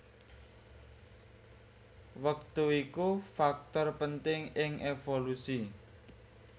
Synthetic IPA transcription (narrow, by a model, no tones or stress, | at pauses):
wəkt̪uikufak̚t̪ɔrpənt̪ɪŋɪŋʔefolusi